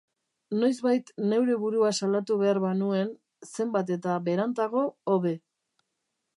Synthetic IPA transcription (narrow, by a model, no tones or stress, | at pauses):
no̞jzβajt̪ne̞wɾe̞βuɾuasalat̪uβe̞aɾβanue̞n | se̞mbat̪̬e̞t̪aβe̞ɾant̪aɣo̞ːβe̞